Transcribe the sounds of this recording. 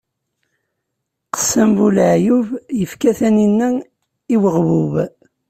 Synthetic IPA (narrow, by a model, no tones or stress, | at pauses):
qə̥sːæmvulʕjuvjəfkæθæninːæ | iwəʁvuv